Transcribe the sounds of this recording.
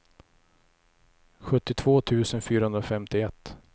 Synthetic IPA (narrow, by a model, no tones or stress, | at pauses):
ɧɵt̪ːɪt̪ʰv̥oːt̪ʰʉ̟ːsənfyːɾahɵnɾɔfɛmt̪ɪɛt̪ː